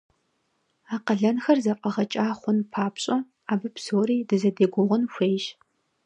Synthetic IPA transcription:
aːqɐɮɐnxɐrzɐpʼɐʁɐt͡ʃʼaːχʷʊnpʰaːpɕʼɐ | aːbɨpsoːriːdɨzɐdeːɡʷʊʁʷʊnxʷeːʒ

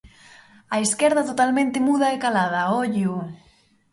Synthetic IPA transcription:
aiskɛɾðat̪ot̪almẽnt̪emuð̞aekalað̞ɐoʎu

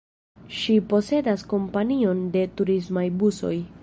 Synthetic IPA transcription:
ʃipo̞se̞dasko̞mpanio̞nde̞tuɾismajbuso̞j

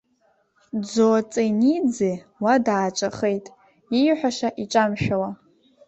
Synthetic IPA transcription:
d͡zot͡sʼenid͡zewadaːt͡ʃʷʼaχejtʼ | ijħʷᶣaʂaʔit͡ʃʼamʃᶣawa

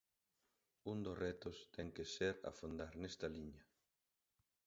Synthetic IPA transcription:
und̪osrɛt̪ost̪ɛŋkeseɾa̰fond̪aɾnɛst̪ɐliɲɐ

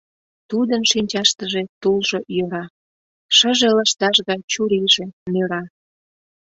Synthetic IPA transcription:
t̪ud̪ənʃinʲt͡ɕɑʃt̪əʒet̪ulʒojøɾɑ | ʃəʒeləʃt̪ɑʃɣɑjt͡ɕuɾiʒe̽nøɾɑ

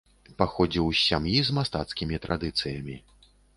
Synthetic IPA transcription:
paxɔd͡zʲiwʲamjizmast̪at̪skʲimʲit̪ɾʔa̰d̪ɨt̪sɨjɐmʲi

